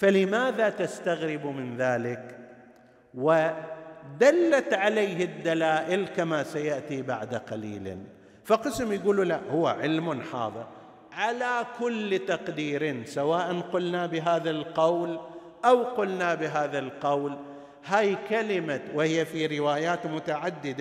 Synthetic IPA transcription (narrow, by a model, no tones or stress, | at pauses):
falɪmaːðat̪ast̪aɣɾɪbmɪnðaːlɪk | wɪ | d̪alːat̪ʕalajɦɪd̪ːalaːʔɪlkamasajaʔt̪ibaʕd̪aqalḭːl̰ | faqɨsmjɡuːlulaʔhʊwːaʕɪlmʊnħɑ̰ːðˤɨ̰ɾ | ʕalakʊlːt̪ɑqd̪iːɾnsawaːʔanqʊlnabɪɦaːðalqawl | ʔawqʊlnabɪɦaːðalqawl | haːjkalɪmawɪhɪjːafiɾɪwaːjaːt̪mʊt̪aʕad̪ːɪd̪a